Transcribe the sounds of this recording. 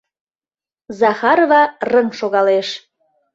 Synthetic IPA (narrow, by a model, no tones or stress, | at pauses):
zɑxɑɾovɑrəŋʃoɣɑleʃ